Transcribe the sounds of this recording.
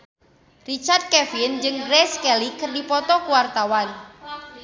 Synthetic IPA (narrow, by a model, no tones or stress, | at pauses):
rit͡ʃard̪̚kɛfind͡ʒɨŋɡɾɛskɛlikɨrdipɔt̪ɔkuwart̪awan